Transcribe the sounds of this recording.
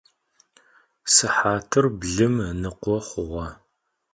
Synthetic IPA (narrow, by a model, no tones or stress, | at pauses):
sɨħaːtʰɨrbɮɨmnɨqʷɔχʷʊʁʷɐ